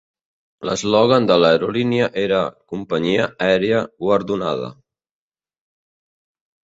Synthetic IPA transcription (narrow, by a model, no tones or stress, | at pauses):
lə̰zlɔɣand̪ələɾuliniəʔeɾəkumpəɲiəɛɾeəɡwəɾðuna̰ðə̰